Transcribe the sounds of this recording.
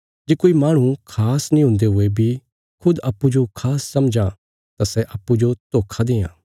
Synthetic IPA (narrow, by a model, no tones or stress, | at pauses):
d͡ʒeːkoːimaːɽ̃ũkʰaːsnĩɦʊ̃nd̪eɦʊebʱi | kʰʊd̪ɐpːud͡ʒokʰaːsːɐmd͡ʒã | t̪asɛʔɐpːud͡ʒot̪oːkʰad̪ẽːã̰ː